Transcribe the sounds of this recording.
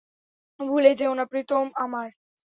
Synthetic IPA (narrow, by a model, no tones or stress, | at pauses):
bʱuled͡ʑeonapɾit̪ʰomamaɾ